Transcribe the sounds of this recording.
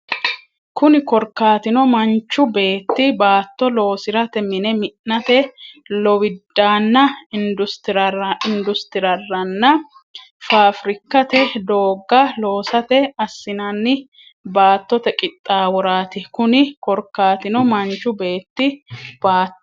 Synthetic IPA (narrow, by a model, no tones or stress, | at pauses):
kʊnɪkɔɾkːaːt̪ɪnɔmɐnt͡ʃːʊbe̞ːt̪ːɪbaːt̪ːɔlo̞ːsɪɾɐt̪ɛmɪnɛmɪːɐt̪ɛ | lɔwɪd̪ːaːnːɐɪnd̪ʊst̪ɪɾɐrɐɪnd̪ʊst̪ɪɾɐrːɐnːɐ | faːfɾɪkːɐt̪ɛd̪oːɡːɐlo̞ːsɐt̪ɛɐsːɪnɐnːɪ | baːt̪ːɔt̪ɛkʼɪt̪ʼːaːwɔɾaːt̪ɪkʊnɪkɔɾkːaːt̪ɪnɔmɐnt͡ʃːʊbe̞ːt̪ːɪb̥aːt̪ː